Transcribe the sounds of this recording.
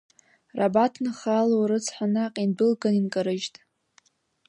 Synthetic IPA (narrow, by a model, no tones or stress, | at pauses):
rabatʰnɨχalowɾɨt͡sʰħʷanaqʼindɨlɡaninkʼaɾɨʒtʼ